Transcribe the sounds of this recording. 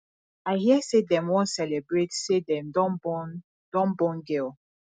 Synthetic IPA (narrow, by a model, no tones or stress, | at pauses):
aɪhiəsedɛ̃mwɔ̃nsɛlɛbɹetsedɛ̃mdɔ̃nbɔn | d̥ɔ̃nbɔ̃nɡɛl